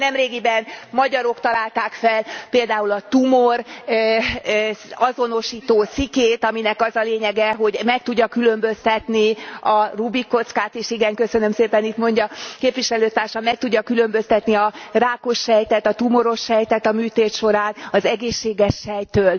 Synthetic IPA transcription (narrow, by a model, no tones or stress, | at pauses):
nɛmreːɡibɛnmɒɟɒɾo̞kt̪ɒlaːlt̪aːkfɛlpeːld̪aːulɒt̪umor | ɒzo̞no̞ʃiːt̪oːt̪sikeːt̪ɒminɛkɒzɒleːɲɛɡɛɦo̞ɟmɛk̚t̪uɟːɒkylø̞mbø̞st̪ɛt̪niɒrubikːo̞t̪skaːt̪eːʃiɡɛŋkø̞sø̞nø̞mseːpɛnit̪mo̞ɲɟɒkeːpʋiʃɛløːt̪aːrʃɒmɛk̚t̪uɟːɒkylø̞mbø̞st̪ɛt̪niɒraːko̞ʃːɛjt̪ɛt̪ɒt̪umo̞ɾo̞ʃːɛjt̪ɛt̪ɒmyːt̪eːt̪ʃo̞ɾaːnɒzɛɡeːʃːeːɡɛʃːɛjt̪øːl